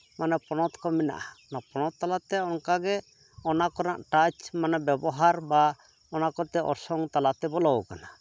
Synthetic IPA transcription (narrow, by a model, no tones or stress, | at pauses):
manapɔɽ̃ɔt̪kɔmina̰ʔanapɔñɔt̪ːalat̪ɛɔŋkaɡɛ | ɔnakɔna̰ʔʈat͡ʃmanabjɛbɔɦaɾba | ɔnakɔt̪ɛʔɔ̰ɾsɔŋt̪alat̪ɛbɔlɔwkana